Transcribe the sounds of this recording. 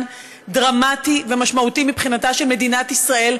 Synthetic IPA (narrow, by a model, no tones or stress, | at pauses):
n | dʁamative̞maʃmautimipχinataʃe̞lme̞dinatisʁae̞l